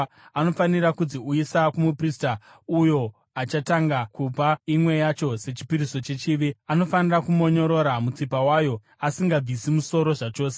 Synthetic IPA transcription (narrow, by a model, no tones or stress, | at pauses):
ano̞fanirakud͡ziuisakumuprista | ujo̞ | at͡ʃataŋɡakupaimwe̞jat͡ʃo̞se̞t͡ʃi̥piɾiso̞t͡ʃe̞t͡ʃiʋiano̞fanirakumo̞ɲo̞ɾo̞ɾamut͡sipawaːjo̞ | asiŋɡab͡visimuso̞ɾo̞ʐat͡ʃo̞ːse